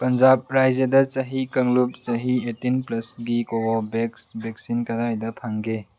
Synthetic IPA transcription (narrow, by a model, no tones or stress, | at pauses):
pɐnd͡ʒab̚ɾajd͡ʒɐdɐt͡ʃɐɦikɐŋlup̚t͡ʃɐɦietinplɐsɡikobɔbeksbeksinkɐdajdɐpʰaŋɡe